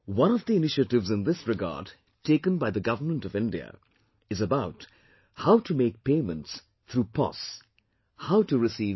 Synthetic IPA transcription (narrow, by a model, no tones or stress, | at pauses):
wʌ̃nɔvd̪iɪnɪʃətɨvzɨ̃nðɪsɹɨɡa̰ːd | tʰeɪkə̃nbaɪðɨɡʌvənmə̃ntʌvɪ̃ndiə̰ | ɨzəbaʊt | haʊtʰumeɪk̚peɪmə̃nts | t̪ʰɾuːpʰɔ̰s | haʊtɨɹɨsiː